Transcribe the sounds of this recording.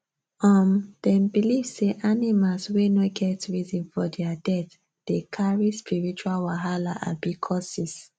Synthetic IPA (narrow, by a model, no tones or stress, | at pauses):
ɔmd̥ɛ̃mbilivseʔanimalswenoɡɛtɹizĩnfɔdɛadɛθ | d̥ekʰaɹispʰiɹit͡ʃualwaɦalaʔa̰bikʰɔsis